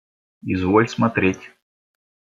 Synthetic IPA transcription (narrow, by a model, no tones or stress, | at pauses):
izvolʲsmɐt̪ɾʲetʲ